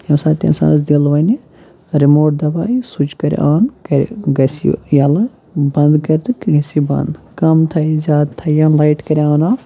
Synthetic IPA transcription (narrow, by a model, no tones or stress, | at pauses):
jɐmsaːɾt̪ʲḭnsa̰ːnɐsd̪ilʋɐni | ɾimoːʈ̚d̪ɐbaːisut͡ʃkɐɾ̰ʔaːnkɐɾ̰ʲɡɐsḭjɐlɐ | bɐnd̪kɐɾd̪ɨkɡɐsibɐ̰nd̪ | kɐmt̪ʰɐjzʲjaːd̪t̪ʰːɐjɐnlajʈkɐɾiaːnaː